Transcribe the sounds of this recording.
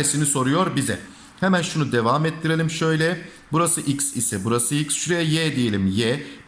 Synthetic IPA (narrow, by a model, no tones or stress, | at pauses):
esiniso̞ɾujo̞ɾbizɛ̰ | hemænʃunud̪evaːmɛt̪ʰːiɾelʲimʃø̞jlʲɛ | buɾasɯʔiksisɛbuɾasɯicsʃuɾejɛjɛd̪ijelʲimjɛ